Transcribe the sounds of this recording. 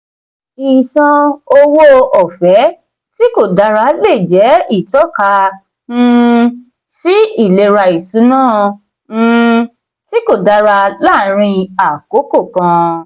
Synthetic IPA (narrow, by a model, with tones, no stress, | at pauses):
i˨sã˧o˧wo˦ɔ˨fɛ˨˦ | ti˦ko˦˨da˧ɾa˧˦le˦˨d͡ʒɛ˨˦i˦˨tɔ˦˨kã˧˦˧ | si˦i˦˨le˨˧ɾa˧i˨su˨˦nãː˦˨˦ | ti˦ko˦˨da˧ɾa˧la˦˨ɾ̃ĩ˧a˨ko˨˦ko˦˨kã˧